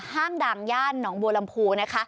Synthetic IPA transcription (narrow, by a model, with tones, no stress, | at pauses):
haː˥˩ŋdaː˨˩ŋjaː˥˩nːɔː˩˦ŋbu˧la˧mpʰuː˧na˦˥kʰa˦˥